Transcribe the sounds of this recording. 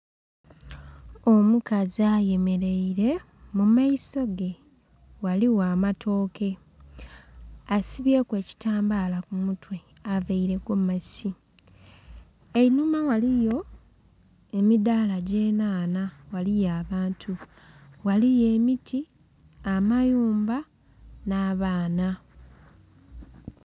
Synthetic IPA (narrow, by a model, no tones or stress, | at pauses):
o̞mukaziaːje̞me̞ɾe̞iɾe̞ | mumaiso̞ɡe̞ | waliwaːmatʰo̞ːkʰe̞ | asiβje̞ːkwe̞ːci̥taːmbalakumutwe̞ | aveiɾe̞ɡomasi | einumawalijo̞ | e̞midaːlaɟe̞ːnaːnawalijaːβaːntʰu | walije̞ːmitʰi | amajuːmba | naːβaːna